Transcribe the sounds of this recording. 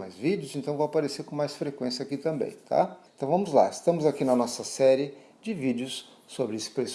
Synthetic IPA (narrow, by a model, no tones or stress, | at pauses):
majzvid͡ʒɪʊzẽnt̪ɐ̃w̃vowapaɾeseɾkõmajsfɾekwẽsiɐakit̪ɐ̃mbḛ̃j̃t̪ʰa̰ẽntt̪ɐ̃w̃vɐ̃mʊzla̰ɪst̪ɐ̃mʊzakinɐnɔsɐsɛɾɪ | d͡ʒɪvid͡ʒɪʊsː | obɾɪesɪ̥pɾes